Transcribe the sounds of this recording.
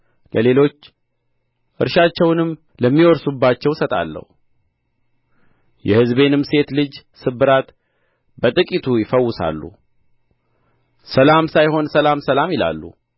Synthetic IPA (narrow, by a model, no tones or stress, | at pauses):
lʔəle̞lo̞t͡ʃː | ʔɨɾʃat͡ʃːɛwnɨm | ləmːiwɔɾsubːat͡ʃːɛwsət̪ʼa̰lːə̰hu | jɛhɨzbe̞nɨmse̞t̪lɨd͡ʒ | sɨbɨɾat̪ | bət̪ʼɨkʼit̪ʰujɪfəwːʊsa̰lːṵ | səlamsajho̞nsəlamsəlamɪla̰lːṵ